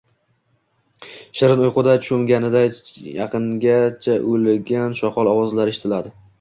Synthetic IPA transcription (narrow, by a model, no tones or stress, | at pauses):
ʃɪɾɪnojqʊd̪at͡ʃʰʊmɡʲanɪd̪ajɑ̰qʰɨŋɡʲat͡ʃʰaʔolɡʲanʃɒqʰɒlˠɒwɒzlaɾeʃɪ̥t̪ʰɪlad̪ɪ